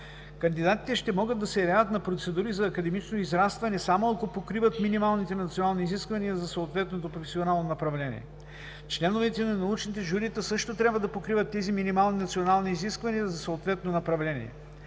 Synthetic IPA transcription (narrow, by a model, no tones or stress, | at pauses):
kɐnd̪id̪at̪i̥t̪ɛʃt̪ɛmɔɡəd̪ːɐsɛjɐvʲjavət̪̚nɐpɾot̪sɛd̪uɾizɐːkɐd̪ɛmit͡ʃnoizɾast̪vɐnɛsamoɐkopokɾivət̪minimalˠnit̪ɛnɐt̪sionalˠniːziskvɐniəzɐsɐot̪vɛt̪not̪opɾofɛsionalˠnonɐpɾɐvlɛnʲḭɛ̰ | t͡ʃlɛnovɛt̪ɛnɐnɐut͡ʃnit̪ɛʒuɾit̪əsɤʃt̪ot̪ɾʲabvɐd̪ɐpokɾivət̪ːɛziminimalˠninɐt̪sionalˠniːziskvɐnijɐzɐsoot̪vɛt̪nonɐpɾɐvlɛnḭɛ̰